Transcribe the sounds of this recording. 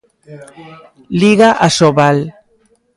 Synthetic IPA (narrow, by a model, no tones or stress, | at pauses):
liɣaʔasoβal